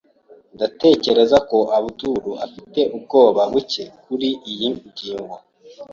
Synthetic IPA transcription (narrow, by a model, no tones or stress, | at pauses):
ndate̞ːce̞ɾe̞zako̞ʔaβutuɾuʔafite̞ʔub̚ɡo̞ːβaβuce̞kuɾiʔijiɟiːŋɡo